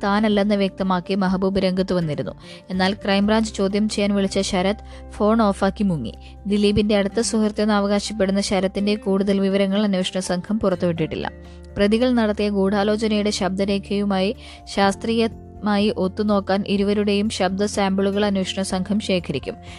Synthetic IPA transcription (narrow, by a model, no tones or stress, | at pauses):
t̪aːnɐlːɐenːɨʋjek̚t̪ɐmaːkːimɐɦɐbuːbɐɾɐŋɡɐt̪ːuʋɐnːiɾunːṵ | e̞nːaːlkrɐjmbraːɲd͡ʑɨt͡ɕo̞ːd̪jɐmt͡ɕejːaːnʋiɭit͡ɕːɐɕɐɾɐt̪ | fo̞ːɳo̞ːfaːkːimuŋːḭ | d̪iliːbinde̞ɐɽut̪ːɐsuhɐrt̪jɐnːaːʋɐɣaːɕɐpːe̞ɽunːɐɕɐɾɐt̪ːinde̞kuːɽuðɐlʋiʋɐɾɐŋːɐɭɐnuweːʂɐɳɐsɐŋkʰɐmpurɐt̪ːuʋiʈːiʈːḭlːɐ̰ | prɐðiɣɐɭnɐɽɐt̪ːijɐɡuːɽaːlo̞ːt͡ɕɐnɐjuɽe̞ɕɐb̚d̪ɐɾe̞ːkʰɐjumaːji | ɕaːst̪riːjɐ | maːjiʔo̞t̪ːuno̞ːkːaːnʔiɾuʋɐɾuɽe̞jumɕɐb̚d̪ɐsaːmbɐɭuɣɐɭɐnuweːʂɐɳɐsɐŋkʰɐmɕe̞ːkʰɐɾikʲːṵm